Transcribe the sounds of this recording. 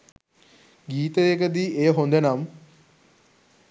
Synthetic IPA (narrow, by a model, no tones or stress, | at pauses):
ɡiːt̪əʋekəd̪iejəɦond̪enam